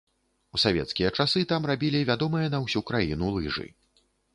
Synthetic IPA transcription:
usavʲɛ̰t̪skʲijɐt͡ʂasɨt̪amrabʲilʲivʲad̪ɔmɨjɐnɐwsʲukɾajḭnulˠɨʐɨ̰

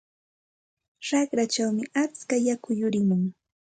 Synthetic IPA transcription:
ɾɑχɾat͡ʃawmɪat͡skajakʊjʊɾɪmʊŋ

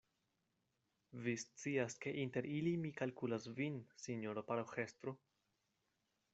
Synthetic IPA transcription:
vist͡siaske̞ʔinte̞ɾilimikalkulasvinsiɲoɾopaɾaxest̪ɾo

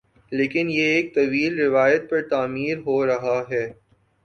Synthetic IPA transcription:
leːkɪnjeeːk̚t̪ɐʋiːlɾɪʋaːjət̪̚pɐɾt̪aːmiːɾɦoːɾɐɦaɦɛː

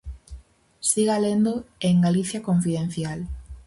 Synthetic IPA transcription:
siɣalend̪oeŋɡaliθjakoɱfiðẽn̟θjal

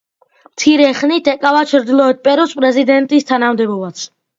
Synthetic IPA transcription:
mt̪sʰiɾɛχnit̪ʰɛkʼavat͡ʃʰɾd̪lˠɔɛt̪̚pʼɛɾɔspʼɾɛzid̪ɛnt̪ʼist̪ʰanamd̪ɛbɔbat̪sʰ

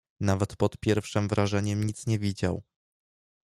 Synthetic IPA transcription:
navɛt̪pɔt̪pʲjɛɾfʂɘmvɾʔaʐɛɲɛmɲit̪sɲɛvʲid͡ʑaw

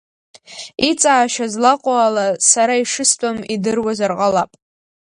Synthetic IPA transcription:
it͡sʼaːʃazlaqʷʼoalasaɾaiʂɨstʷʼamidɨrwazarqʼalapʼ

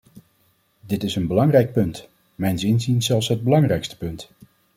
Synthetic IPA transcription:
dɪtɪsənbəlɑŋrɛjk̚pɵnt | mɛjnsɪnzinz̥ɛlˠfsɦəd̚bəlɑŋrɛjkstə̥pɵnt

